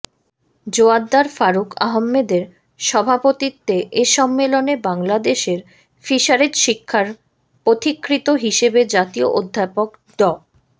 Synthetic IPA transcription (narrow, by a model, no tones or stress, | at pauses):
d͡ʑoad̪ːaɾfaɾuka̰ɦomːed̪eɾ | ʃɔbʱapot̪it̪ːeʔeʃɔmːelonebaŋlad̪eʃeɾ | fiʃaɾeɾʃikʰːaɾ | pɾot̪ikːɾit̪oɦiʃebed͡ʑat̪ioʔod̪ʱːapok | ɖ̪ɔ